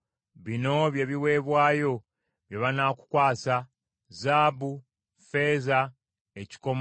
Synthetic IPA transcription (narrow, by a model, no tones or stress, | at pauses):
βino̞βje̞βiwe̞ːβwaːjo̞ | βjeβanaku̥kwaːsa | zaːbu | fe̞ːza | eci̥ko̞m